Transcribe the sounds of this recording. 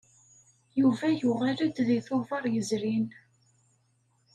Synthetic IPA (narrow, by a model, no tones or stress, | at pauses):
juvæjʊʁæləd̪ðiθʊvɑɾˤjəzɾin